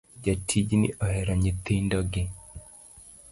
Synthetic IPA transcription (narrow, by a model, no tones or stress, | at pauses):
d͡ʒatʰid͡ʒnɪ̰ʔɔhɛɾɔɲit̪indɔɡɪ